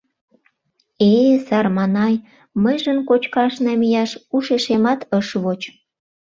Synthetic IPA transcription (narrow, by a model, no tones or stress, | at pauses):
esɑrmɑnɑj | məjʒənkot͡ɕkɑʃnɑmijɑʃuʃeʃemɑt̪əʃβot͡ɕ